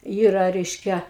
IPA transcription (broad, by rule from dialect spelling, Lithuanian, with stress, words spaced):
ˈiːrɐ ˈrʲɛɪʃʲkʲɛ